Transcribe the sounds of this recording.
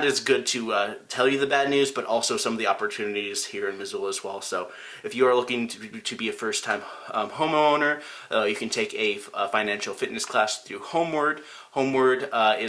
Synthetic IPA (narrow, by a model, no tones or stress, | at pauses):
ɾɨzɡʊd̚tʰɨtʰɛlˠjɨðɨbædⁿnʉzbʌɾʔɔlˠsoʊsʌ̃mʌvðiɑpə˞tʰʉnɨɾiz̥hiɹɨ̃nmɨzʊlˠəzwɛlˠsoʊ | ɨfjɨə˞lʊkɪ̃ŋʰtʰɨbiɨfɜ˞stʰãɪ̃mhõʊ̃mõʊ̃nə˞ | jɨkɨ̃n̩tʰeɪkɨfãɪ̃næ̃nʃl̩ˠfɪtⁿnɨskʰl̥æsθɹʉhõʊ̃mwɜ˞d̥̚ | hõʊ̃mwə˞dɪ